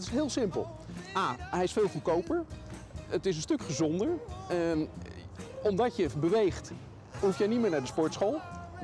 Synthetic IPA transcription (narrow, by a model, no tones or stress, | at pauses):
tɪsɦɪːlˠsɪmpə̰lˠ | aːɦɛjɪsfɪːlˠfukowpəɹ | ətɪs̬ənstɵkχəzɔndəɹ | ɔmdɑtjəbəʋejχt | ɦufjɛjnimɪːɹnaːɹdəspɔɹtsχolˠ